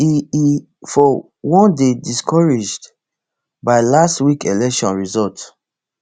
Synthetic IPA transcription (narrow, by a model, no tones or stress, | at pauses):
ii | fɔ | wɔ̃ndediskʰɔɹed͡ʒd | baɪlastwikelɛkʃɔ̃nɹizɔlt